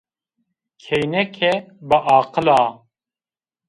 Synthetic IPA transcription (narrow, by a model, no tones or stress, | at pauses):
kʰejnɛkʰɛbɨʔɑːqɨlɑː